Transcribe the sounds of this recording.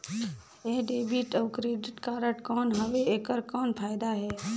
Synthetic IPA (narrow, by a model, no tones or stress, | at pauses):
eɦɖeːbiʈəʊkɾeːɖɪʈkaːɾəʈkɔːnɦɐʋeeːkəɾkɔːnpʰaːɪd̪aɦɛː